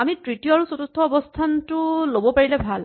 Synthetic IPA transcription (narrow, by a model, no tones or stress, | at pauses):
amitɹitijɔaɹusotutʰːɔːbɔstʰantʊlobɔpaɹilɛbʱal